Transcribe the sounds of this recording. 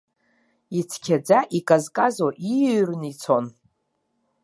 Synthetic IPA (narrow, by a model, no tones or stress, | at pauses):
it͡sʰkʲʰad͡zaʔikʼazkʼazoʔirnit͡sʰo̞n